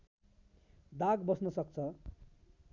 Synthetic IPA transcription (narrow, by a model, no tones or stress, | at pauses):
d̪aɡbʌsnʌsʌk̚t͡sʰʌ